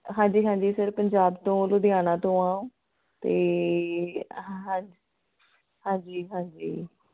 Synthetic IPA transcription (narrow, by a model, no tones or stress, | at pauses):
ɦãːɲd͡ʒiːɦãːɲd͡ʒiːsɪɾpəɲd͡ʒaːbt̪õːlʊd̪ɪaːnãːt̪õːãːõː | t̪eː | ɦãː | hãːɲd͡ʒiːɦãːd͡ʒiː